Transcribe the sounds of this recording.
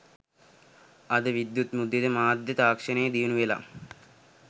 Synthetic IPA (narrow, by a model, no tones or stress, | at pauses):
ɐd̪əʋid̪jut̪mud̪ːed̪əmaːd̪jɐt̪aːkʂɐnejəd̪iʋunuʋela̰